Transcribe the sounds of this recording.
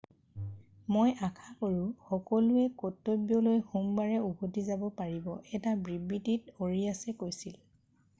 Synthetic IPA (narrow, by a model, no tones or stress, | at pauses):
mojakʰakoɹʊxɔkɔlʊɛkɔtːobjɔlojxumbaɹɛubotizabɔpaɹibɔʔɛtabɹibːititoɹiasɛkojsil